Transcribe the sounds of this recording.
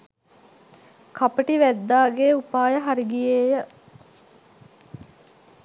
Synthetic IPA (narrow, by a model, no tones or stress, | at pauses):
kʰapəʈiʋæd̪ːaːɡeːupaːjəɦaɾiɡijeːjə